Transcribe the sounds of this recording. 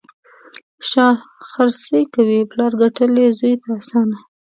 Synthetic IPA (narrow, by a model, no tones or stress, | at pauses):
ʃɑxaɾsəjkawiplɑɾɡaʈəlezujt̪asɑna